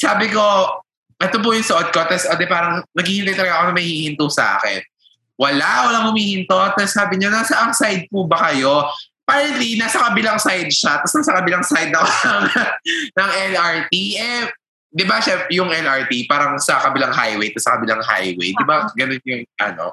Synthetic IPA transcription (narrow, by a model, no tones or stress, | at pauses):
saːbɪko̞ | ʔɛt̪op̬ʊjʊŋsoʔod̪̚kot̪ːɐsʔɐd̪ɛpaːɾɐŋnɐɡhiːhɪnt̪ajt̪ɐlɐɡɐkonɐŋmɐɡhiiːhɪnt̪usɐʔa̰kɛ̰n | wɐlawɐlaŋhʊmiːhɪnt̪ot̪ɐsːaːbɪɲonaːsɐʔɐŋsajd̪̚puːbɐkɐjo̞ | paːɾɛnt̪linaːsɐkɐbɪlaŋsajd̪̚ʃat̪̚ːɐsnasɐkɐbɪlaŋsajd̪̚nɐkɐŋnɐŋɛnʔɐɹt̪iʔɛ | d̪ɪbaʃajʊŋʔɛnɐɹt̪ipaːɾɐŋsɐkɐbɪlaŋɦajwejt̪ɐsɐkɐbɪlaŋɦa̰jwḛjd̪ɪbaɡɐnonjʊŋʔɐ̰no̰